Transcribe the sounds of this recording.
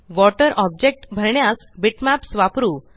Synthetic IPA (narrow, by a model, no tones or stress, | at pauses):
ʋɔʈəɾʔɔb̚d͡ʑek̚ʈbʱəɾɳjas | biʈmæpsʋapɾuː